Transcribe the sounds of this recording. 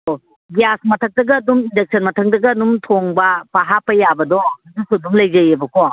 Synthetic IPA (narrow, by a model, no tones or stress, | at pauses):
o | ɡijasmɐtʰɐk̚dɐɡɐːdumindek̚sʰɐnmɐtʰɐŋ̚dɐɡɐːdumtʰoŋbɐpaɦapɐjabɐdɔhɐdusuduŋlɐjzajebɐkɔ